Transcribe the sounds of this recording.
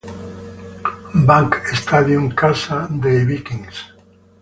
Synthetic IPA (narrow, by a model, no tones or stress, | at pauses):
baŋkest̪aðjuŋkasad̪eβikĩŋs